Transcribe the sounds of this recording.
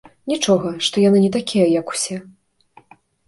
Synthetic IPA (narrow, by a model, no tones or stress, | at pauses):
nʲit͡ʂɔɣɐʂt̪ɔjanɨnʲɛt̪akʲijɐjɐku̥sʲɛ